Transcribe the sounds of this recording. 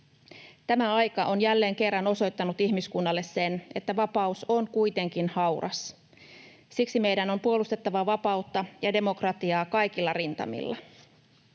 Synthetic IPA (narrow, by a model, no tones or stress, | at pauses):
t̪æmæɑjkɑʔo̞njælːe̞ːŋke̞rːɑno̞so̞jt̪ːɑnut̪içmiskunːɑlːe̞sːe̞ne̞t̪ːæʋɑpɑuso̞nkujt̪e̞ŋk̟inhɑwrɑ̰s | siksime̞jdæno̞mpuolust̪e̞t̪ːɑʋɑʋɑpɑut̪ːɑjɑde̞mo̞krɑt̪iɑːkɑjk̟ilːɑrint̪ɑ̰mḭlːɑ̰